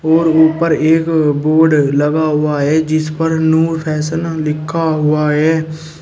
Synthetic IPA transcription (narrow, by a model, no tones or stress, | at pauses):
ɔːɾʊpəɾeːkboːɾɖləɡaɦʊaɦɛːd͡ʒɪspəɾnuːɾpʰɛːsənlɪkʰːaɦʊaɦɛː